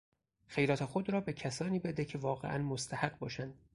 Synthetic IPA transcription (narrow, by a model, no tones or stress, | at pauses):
xejɾɒːt̪ʰexod̪ɾɒːbecʰæsɒːniːbed̪ecʰe̞vɒːɣeʔæ̰nmost̪ʰæhæɢ̚bɒ̰ːʃænd̪̥̚